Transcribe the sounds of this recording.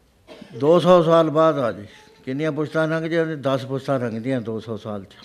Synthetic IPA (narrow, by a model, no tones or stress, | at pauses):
d̪oːsɔːsaːlbaːd̪aːd͡ʒ | kɪnijãːp̬ʊt͡ʃʰt̪ãːɾə̃ŋɡd̪ijãːt̪ed̪əspʊt͡ʃʰt̪ãːɾə̃ŋɡd̪ĩjãːd̪oːsɔːsaːlt͡ʃ